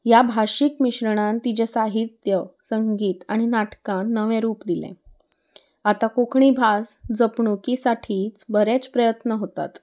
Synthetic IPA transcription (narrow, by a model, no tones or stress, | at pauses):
jabʱaɕikmiɕɾəɽ̃ãnt̪id͡ʑɛ̃saɦit̪jəsəŋɡiːt̪aɽ̃inaʈkãnːəʋɛ̃ɾuːpd̪ilɛ̰̃ | at̪akokʰɳ̃iːbʱasd͡zəpɳokisaʈʰiːt͡sbəɾɛ̃t͡spɾəjət̪nəɦot̪a̰t̪